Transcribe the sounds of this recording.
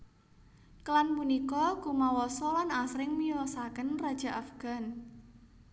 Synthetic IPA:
kəlanpunikɔkumawɔsɔlanasɾɪŋmiɔsakənrad̥ʒ̥a̤ʔafɡ̥a̤n

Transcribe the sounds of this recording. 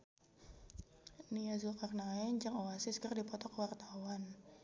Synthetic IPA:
niazuakarnaɛɲd͡ʒəŋoasɪskərdipɔt̪ɔkəwart̪awan

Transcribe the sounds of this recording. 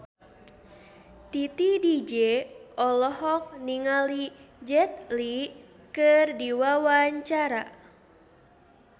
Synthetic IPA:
t̪it̪idid͡ʒɛɔlɔɦɔk̚niŋalid͡ʒɛt̪̚li | kɨrdiwawaɲt͡ʃaɾa

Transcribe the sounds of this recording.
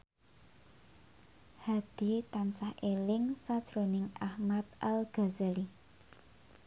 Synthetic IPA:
had̪̥i̤t̪ansahʔelɪŋsad̥ʒ̥ɾo̤nɪŋʔahmat̪̚ʔalɡ̥a̤zali

